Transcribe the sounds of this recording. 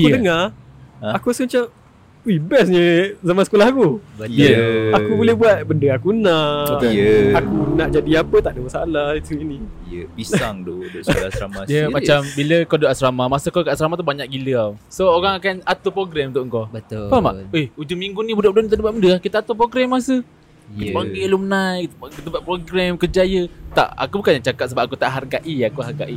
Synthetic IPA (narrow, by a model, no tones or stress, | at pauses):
juəd̪əŋã | akuasəmat͡ʃam | ubɛs̬ɲəzamansəkolahakujəakubolɛhbuat̪̚bəndəakunãʔjəakunãʔd͡ʒadiapət̪aʔdəmasaalahit̪uinĩ | jə̰bisaŋdodoskolasɾa̰majəmat͡ʃambiləkɔdoʔaʔsɾamamasəkokaasɾamat̪ubaɲaʔkɡiləawsooɾaŋakanat̪upɾoɡɾɛmt̪ʊʔŋkɔbət̪opama̰eud͡ʒuŋmiŋɡunibudaʔbudaʔnit̪aʔdəbaʔ̪mundəakit̪əat̪up̬ɾoɡɾɛmːasə | ibaɡilumənajkit̪kt̪əbaʔ̚pɾoɡɾɛmkərd͡ʒajət̪a̰ʔa̰kubukanjaŋt͡ʃakat̪səbapakut̪aʔɦarɡaʔiakuɦarɡa̰ʔi